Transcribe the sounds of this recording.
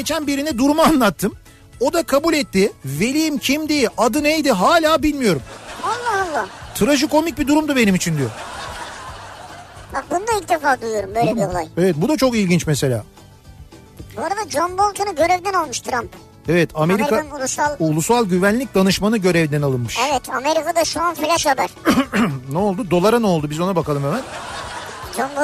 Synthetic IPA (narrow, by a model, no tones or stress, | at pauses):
ɟe̞t͡ʃʰænbiɾinɛd̪uɾumaanlˠat̪ʰːɯm | o̞d̪akʰabulʲɛt̪ːɪve̞lʲijimcʰimd̪ejiʔad̪ɯnejd̪iɦaːlʲaːbilʲmijo̞ɾumalˠːaalˠːaːt̪ʰɯɾaʒɯkʰo̞mic̚bid̪uɾumd̪ube̞nimit͡ʃʰind̪ijo | bak̚bund̪ailʲc̚d̪efaːd̪uijo̞ɾumbøjleiɾolˠajevɛt̪̚bud̪at͡ʃʰo̞kilʲɟint͡ʃmese̞lʲa̰ː | buoɾad̪ad͡ʒonbolˠk̪ʰanɯɟø̞ɾevd̪ɛnalˠmuʃt̪ʰɾamp | evɛt̪ʰame̞ɾikaulˠusalˠulˠusalˠɟyvænlʲic̚d̪anɯʃmanɯɟø̞ɾɛvd̪ɛnalˠɯnmɯ̥ʃɛvɛt̪ʰame̞ɾikad̪aʃuanfilʲaʃabæɾ̥ | nɛolˠd̪ud̪o̞lˠaɾano̞lˠd̪ubizo̞nabakʰalˠɯmevɛn | d͡ʒonb